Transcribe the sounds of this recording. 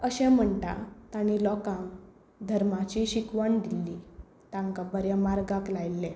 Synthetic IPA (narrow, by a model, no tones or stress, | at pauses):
əɕɛ̃m̤əɳt̪a̰t̪añilɔkãŋ | d̪ʱəɾmat͡ɕiɕikʋaɳd̪ilːi | t̪ãŋkabəɾjamaɾɡaklajlːẽ